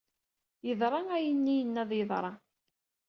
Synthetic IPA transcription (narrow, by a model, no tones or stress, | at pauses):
jəðˤɾˤɑŋæjənːijənːæðˤjəðˤɾˤɑ̰